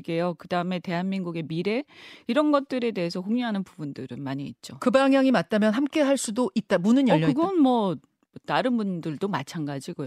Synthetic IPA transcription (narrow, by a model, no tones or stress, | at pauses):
ɡe̞jokɯdaɯme̞te̞ɦanminɡuɡe̞miɾe̞iɾʌnɡʌt̚t͈ɯɾe̞de̞ɦesʰʌkoŋɲjuɦanɯnpubundɯɾɯnmaɲiːt̚t͡ɕ͈okɯbaŋɦjaŋimat̚t͈amjʌnɦamk͈e̞ɦaɭs͈udoʔit̚t͈amunɯnjʌʎːɯɡʌnmwʌ | taɾɯnbundɯɭdomat͡ɕʰanɡad͡ʑiɡoj